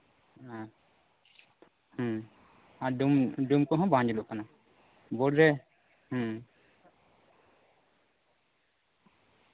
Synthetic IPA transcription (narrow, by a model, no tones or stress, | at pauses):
a | h | aɖumɖumkɔɦɔ̃bãɲd͡ʒluʔkana | bɔɽɾɛ | h